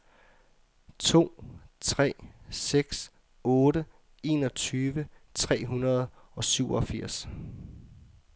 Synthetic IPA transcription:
t͡sʰo̝̰ːt͡sʰʁɛ̰ːseɡ̥s | ɔ̽ːɾə | e̝ːnɒ̽t͡sʰyːʋət͡sʰʁɛ̰ːɦunɐð̞̩ˠ | ɒ̽syʊɒfiɐ̰s

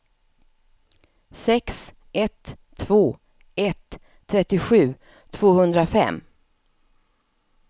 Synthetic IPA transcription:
sɛks | ɛt̪ʰː | v̥oː | ɛt̪ʰː | ɾɛt̪ːɪɧʉ̟ː | t̪ʰv̥oːhɵnd̪ɾafɛ̰mː

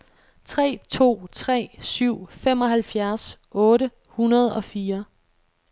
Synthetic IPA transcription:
t͡sʰʁɛ̰ːt͡sʰo̝̰ːt͡sʰʁɛ̰ːsyʊ̰femɒ̽ɦælfjæɐsʔɔ̽ːɾə | hunɐð̞ˠɒ̽fiːɐ

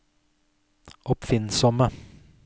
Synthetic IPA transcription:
ʔɔpfɪnsɔmə

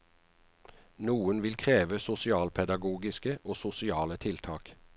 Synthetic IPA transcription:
nuːənʋɪlkʰʁeːʋəsʊsɪɑːlpʰɛd̪ɑɡuːɡɪskəʔoːsʊsɪɑːlət̪ʰɪlt̪ʰɑːk

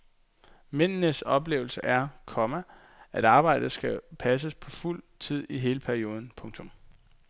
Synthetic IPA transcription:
men̰nəsɒ̽b̥le̝̰ːʊl̩səʔæɐkʰɒ̽mæ | ʔæd̥ɑ̈ːb̥ɑ̈ɪ̰d̥əsɡ̥æpʰæs̬əspʰɒ̽ful̰ | t͡sʰið̞̰ˠiɦe̝ːləpʰæɐio̝ːð̞ˠn̩pʰɔ̽ŋt͡sʰɔ̽m

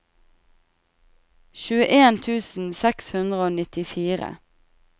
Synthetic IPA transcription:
ʃʉːəʔeːnt̪ʰʉːsn̩sɛkshʉnd̪ʁəoːnɪt̪ɪfiːʁə̰

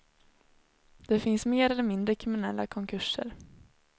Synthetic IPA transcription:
d̪̥ɛfɪnsmeːɾɛlːəɾmɪnd̪ɾəkʰɾɪmɪnɛlːa̰kʰɔŋkʰɵʂə̰ɾ

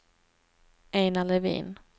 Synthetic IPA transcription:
eːnalɛvḭːn

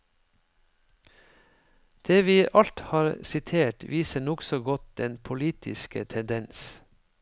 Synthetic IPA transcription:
d̪̥eːʋiːʔɑlt̪hɑːɾsɪt̪ʰeːʈʋiːsəɳɔksɔɡɔt̪̚d̪ɛnpʰʊliːt̪ʰɪ̰skə̰t̪ʰɛnd̪ɛns

